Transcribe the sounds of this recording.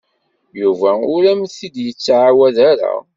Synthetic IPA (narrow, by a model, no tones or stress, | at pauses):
juvæʊɾæmθid̪jət͡sːʕawæðaɾa̰